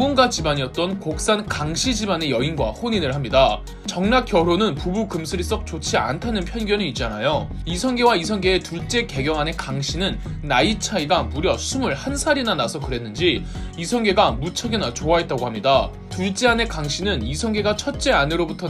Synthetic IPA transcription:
ɡunɡat͡ɕibaɲiʌt̚t͈ʌnkok̚s͈ankaŋɕʰid͡ʑibane̞jʌinɡwa̰hoɲinɯɭhamɲida | t͡ɕʌŋnak͈jʌɾonɯnpubukɯmsʰɯɾis͈ʌk̚t͡ɕ͈ot͡ɕʰia̰ntʰanɯnpʰjʌnɡjʌniit̚t͡ɕ͈anajoisʰʌŋɡe̞waisʰʌŋɡe̞ːtuɭt͡ɕ͈e̞ke̞ɡjʌŋɦane̞kaŋɕʰinɯnː | ait͡ɕʰaiɡamuɾjʌsʰumɯɭhansʰaɾinanasʰʌkɯɾe̞nːɯnd͡ʑiisʰʌŋɡe̞ɡamut͡ɕʰʌɡenat͡ɕoaɦe̞t̚t͈aɡohamɲida | tuɭt͡ɕ͈eane̞kaŋɕʰinɯnisʰʌŋɡe̞ɡat͡ɕʰʌt̚t͡ɕ͈eanɯɾobutʰʌ

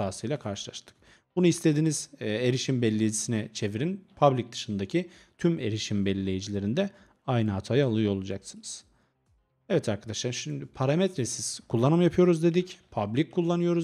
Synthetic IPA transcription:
aːsɯjlʲakʰaɾʃɯlˠa̰ʃt̪ʰɯ̥k | b̥unuislʲe̞d̪iniz̥eɾiʃimbɛlʲːejid͡ʒisinɛt͡ʃʰe̞viɾinpʰablʲic̚d̪ɯ̥ʃɯnd̪acʰi | t̪ʰyme̞ɾiʃimbɛlʲːe̞jid͡ʒilʲe̞ɾind̪ɛ | ajnɯɦat̪ʰajɯalˠɯjolˠud͡ʒaksɯnɯz̥ | evɛt̪ʰaɾkʰad̪aʃlˠaɾʃimd̪ipʰaɾamɛt̪ɾɛsiz̥kʰulˠːanɯmjapʰɯjo̞ɾuzd̪e̞d̪icpʰablʲicʰːulˠːanɯjo̞ɾuz

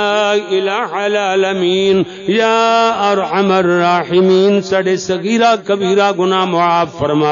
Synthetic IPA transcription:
ɪlaːʕalaːlɐmiːn | jaːɐɾħɐmɐɾːaːħimiːnsɐɽesɐɣiːɾakɐbiːɾaɡʊnaːmoaːbfɐɾmaː

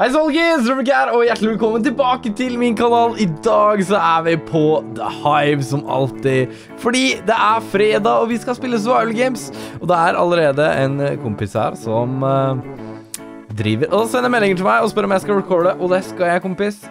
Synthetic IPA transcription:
hæɪs̬ɑlɡɪsəbək̬æːɾɔjæʈːlɪʋɛlkʰɔmːənt̪ɪlbɑːkət̪ʰɪlmɪnkʰɑnɑːlɪd̪ɑːɡsɔæɾʋɪpʰɔd̪əhɑɪʋsɔmɑ̰lt̪ɪ | fɔɖiːd̪ɛʔæɾfɾeːd̪ɑɔʋɪskɑspɪlːəs̬ɔʋaɪʋəlɡeɪmsɔd̪ɛæɾɑ̰ləɾeːd̪əʔɛ̰nkʰʊmpɪshæ̰ːɾsɔm | d̪ɾḭːʋəɾʔɔsɛnːəmɛlːɪŋəʈʰɪlmæɪɔspœɾːəɔjæɪskɑɾɛkʰɔɖəʔɔd̪ɛskɑljæɪkʊmpɪs

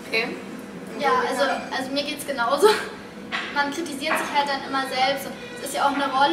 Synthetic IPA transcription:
kʰeː | jaːʔalzoʔalzomiːɐɡeːtsɡ̥ənaʊzoː | mankʁ̥itiziːɐtz̥ɪçhalt̚d̥anʔɪmɐzɛlpstʊnt | sɪstjaaʊxnəʁɔl

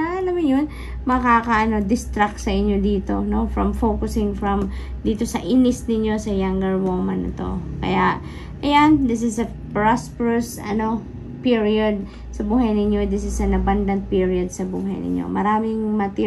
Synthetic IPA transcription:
aʔɐlɐmɪnjon | mɐkaːkɐʔɐno̞d̪ɪst̪ɾak̪̚sɐʔɪɲjo̞d̪iːt̪o̞̰no̞fɹɐmfokʊsɪŋfɹɐm | d̪iːt̪o̞sɐʔiːnɪsnɪɲjo̞sɐjaŋɡɐɹwoːmɐnɐ̰t̪o̞̰kɐ̰jaʔ | ʔɐjand̪ɪs̬ɪsɐ | pɹaspɛɹɐsɐ̰no̞ | piɹiod̪̚ | sɐbuːhɐjnɪɲjo̞d̪ɪsɪsɐnɐband̪ɐnt̪̚piɹiɐd̪̚sɐbuːɦɐjnɪ̰ɲo̰mɐɾaːmɪŋmɐt̪i

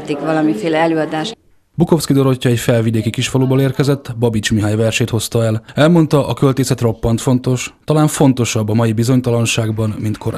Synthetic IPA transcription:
t̪ikʋɒlɒmifeːlɛɛløːɒd̪aːʃ | buko̞fskid̪o̞ɾo̞cːɒɛcfɛlvid̪eːkikiʃfɒloːboleːrkɛzɛt̪ːbɒbit͡ʃmiɦaːɲvɛrʃeːt̪ho̞st̪ɒɛlɛlmo̞nt̪ɒʔɒkø̞lt̪eːsɛt̪ro̞pːɒnt̪fo̞nt̪o̞ʃt̪ɒlaːɱfo̞n̪t̪o̞ʃɒbːɒmɒjibizo̞ɲt̪ɒlɒnʃaːɡbɒnmint̪kʰo̞ɾ

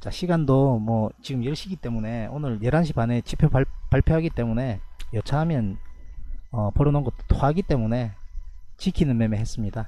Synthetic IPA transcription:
t͡ɕaɕʰiɡandomwʌt͡ɕiɡɯmjiɯɭɕʰiɡit͈e̞mune̞onɯɾjeɾɦanɕ̬ʰibanet͡ɕipʰjoapaɭpʰjoɦaɡit͈e̞mune̞jʌt͡ɕʰaɦamjʌn | ʌpoɾʌnonɡʌt͈̚o̥t͈oɦaɡit͈e̞mune̞ | t͡ɕikʰinɯnmemeɦe̞s͈ɯmɲida

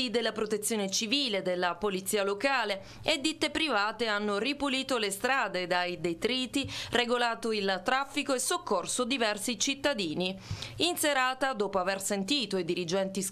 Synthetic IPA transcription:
id̪elːapɾot̪et̪sːjoːnet͡ʃiviːled̪elːapolit̪siːalokaːle | ed̪ːit̪ːepɾivaːt̪eanːoripuliːt̪olest̪ɾaːd̪ed̪ajd̪et̪ɾiːt̪ireɡolaːt̪oilt̪ːɾafːikoesːokːorsod̪ivɛrsit͡ʃit̪ːad̪iːniinseɾaːt̪ad̪ɔːpoaversent̪iːt̪oid̪iɾid͡ʒɛnt̪is

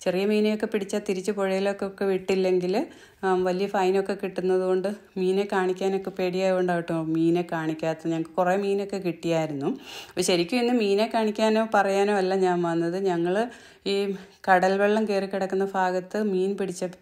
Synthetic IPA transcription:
t͡ɕe̞rijɐmiːnejo̞kːe̞piɽit͡ɕːaːt̪ːiɾit͡ɕːɨpo̞ɻɐjilo̞kːeokːe̞ʋiʈːilːe̞ŋɡil | ʋɐlijɐfɐjno̞kːe̞kiʈːunːɐðuɣo̞ɳɖɨmiːne̞kaːɳikʲːaːno̞kːe̞peːɽijaːjkoɳɖaːʋiʈːumomiːnekaːɳikʲːaːt̪ːɐɲɐŋːɐɭɨkuremiːno̞kːe̞kiʈːijaːjiɾunːuoɕɐɾikʲːumenːɨmiːne̞kːaːɳikʲːaːno̞ːpɐrɐjaːnoːɐlːɐɲaːnʋɐnːɐðɨɲɐŋːɐɭ | iː | kɐɽɐlʋeɭːɐmkeːrikːiɽɐkːunːɐbʱaːɡɐt̪ːɨmiːnpiɽit͡ɕːɐ

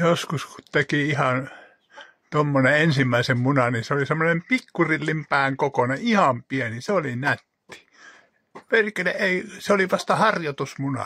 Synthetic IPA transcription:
joskusku̥t̪t̪ekiihɑn | t̪omːoneensimːæisemmunɑniseolisemːonempikːurilːimpæːŋkokoneihɑmpieniseolinæt̪ːi̥ | perkeleʔʔeiseoliʋɑst̪ɑhɑrjot̪usmunɑ̰

